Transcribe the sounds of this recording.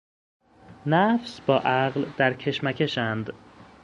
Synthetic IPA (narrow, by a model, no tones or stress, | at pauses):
næfsbɒːʔæɣld̪̥æɾcʰe̞ʃmæcʰe̞ʃænd̪